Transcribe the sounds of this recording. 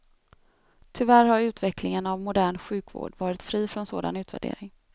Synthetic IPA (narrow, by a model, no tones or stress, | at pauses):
t̪ʰʏvæɾhaɾʉ̟ːt̪vɛklɪŋənavmʊd̪æːɳɧʉ̟ːkvo̰ːɖvɑːɾɪt̪fɾiːfɾɔnsoːd̪a̰nʉ̟ːt̪væ̰ɖḛːɾɪŋ